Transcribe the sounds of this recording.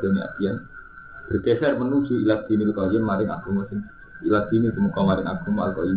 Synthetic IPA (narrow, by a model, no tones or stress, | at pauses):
d̥aɲia̰t̪ian | b̥ərkɛsɛrmənusiilak̪̚d̪̥init̪ukaianmaɾɪŋa̰ɡumɔsɪŋ | ilaɡ̥̪init̪umukamaɾɪŋa̰ɡ̥umɔa̰lkai